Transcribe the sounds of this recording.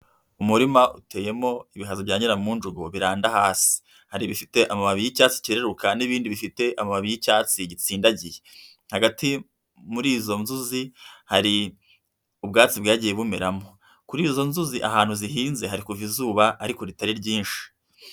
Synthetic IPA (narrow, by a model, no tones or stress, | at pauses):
umuɾimaʔutʰe̞ːje̞mo̞iβiɦazoβjaːɲiɾamuːnd͡ʒuɡoβiɾaːndahaːsi̥ | haɾiβifite̞ʔamamaβijicaːt͡si̥ciɾeɾukaniβiːndiβifite̞ʔamamaβijicaːt͡siɟit͡siːndaɟije | haɡati | muɾiːzo̞nzuzihaɾi | ubɡaːt͡sibɡaːɟije̞βume̞ɾamo̞ | kuɾiːzo̞nzuziʔa̰ɦaːnhuziɦiːnze̞ɦaɾikuvizuːβaʔaɾiko̞ɾitaɾiɾɟiːnʃi̥